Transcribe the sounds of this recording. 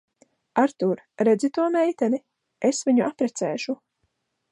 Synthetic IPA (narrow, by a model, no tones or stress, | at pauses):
aɾt̪uɾ | ɾɛd̪zit̪uɔmɛjt̪ɛni | esviɲuʔapɾɛt̪sɛːʃu